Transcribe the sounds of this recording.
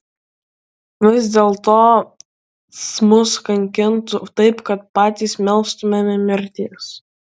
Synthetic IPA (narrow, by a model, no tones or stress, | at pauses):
ʋʲɪzd̪ʲeːlˠt̪oː | smʊskɐŋʲkʲɪnt̪ʊt̪ɐɪpkɐt̪̚pɑːt̪ʲiːˑsmʲɛlˠst̪ʊmʲɛmʲɪmʲɪɾʲt̪ʲiɛs